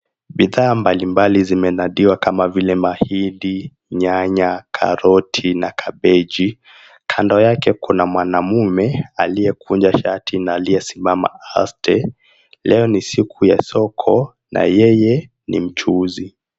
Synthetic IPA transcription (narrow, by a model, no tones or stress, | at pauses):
ɓiðaːmbalimbalizimɛnaɗiwakamavilɛmahiɗi | ɲaɲakʰa̰ɾɔtʰinakʰaɓɛd͡ʒi | kʰandɔjakɛkunamwanamumɛalijɛkʰund͡ʒaʃatʰinaːlijɛsimama̰astʰɛ | lɛɔnisikʰujasɔkʰɔ | nʔa̰jɛjɛ | nḭm̩t͡ʃuzi